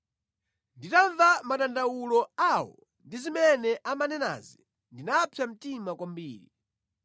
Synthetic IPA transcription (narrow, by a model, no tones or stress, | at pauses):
nditaɱvamaɗandawulɔawɔ̰ | ndizimɛnɛʔamanɛna̰zi | ndinapʰjam̩timakwambiːɾḭ